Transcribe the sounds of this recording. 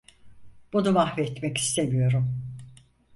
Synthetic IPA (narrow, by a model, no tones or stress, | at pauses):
b̥unumahvɛt̪mɛki̥st̪ʰe̞mijo̞ɾum